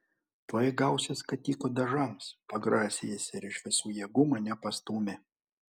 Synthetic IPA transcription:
t̪oːjɪɡɐˑʊsʲeskɐt̪ʲiːkoːd̪ɐʒɐmspɐɡɾɑːsʲejesʲɪɪɾɪʃʋʲɪsuːjɛɡumɐnʲɛpɐst̪uːmʲɪ

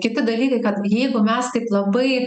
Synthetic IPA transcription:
kʲɪt̪ʲɪd̪ɐlʲiːkɐɪkɐt̪jɛɪɡʊmʲɛst̪ɐɪplˠɐbɐɪ

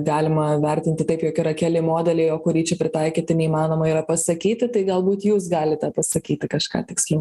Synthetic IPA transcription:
ɡɑːlʲɪmɐʋʲɛɾʲt̪ʲɪnʲt̪ʲɪt̪ɐɪpjoːkʲiɾɐkʲæːlʲɪmoːd̪ʲɛlʲɛɪjoːkʊɾʲiːt͡ʃʲɛpʲɾʲɪt̪ɐɪkʲiːt̪ʲɪnʲɛimɑːnoːmɐiːɾɐpɐsɐkʲiːt̪ʲɪt̪ɐɪɡɐlˠbuːt̪juːs̬ɡɑːlʲɪt̪ʲɛpɐsɐkʲiːt̪ʲɪkɐʃkɑ̰ːt̪ʲɪksʲlʲɛʊ

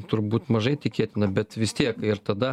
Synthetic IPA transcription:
t̪ʊɾbut̪ʲmɐʒɐjt̪ʲɪkʲeːt̪ʲɪnɐbʲɛt̪ʋʲɪst̪ʲiɛkɪrt̪ɐd̪ɐ

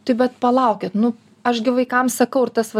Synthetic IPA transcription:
t̪ɐɪbʲɛt̪pɐlˠɐʊkʲɪt̪nʊ | ɐʃɡʲɪʋɐɪkɐmsɐkɐʊɾt̪ɐsʋɐ

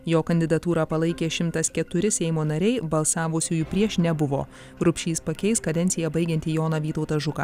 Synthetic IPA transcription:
joːkɐnʲd̪ʲɪd̪ɐt̪uːɾɑːpɐlˠɐɪkʲeːʃʲɪmt̪ɐskʲɛt̪ʊɾʲɪsʲɛɪmoːnɐɾʲɛɪbɐlˠsɑːʋʊsʲuːjuːpʲɾʲiɛʃnʲɛbʊʋo̰ː | ɾʊpʲʃʲiːspɐkʲɛɪskɐd̪ʲɛnʲt̪sʲɪjɛbɐɪɡʲɛnt̪ʲiːjoːnɐʋʲiːt̪ɐʊt̪ɐʒʊkɐ̰ː

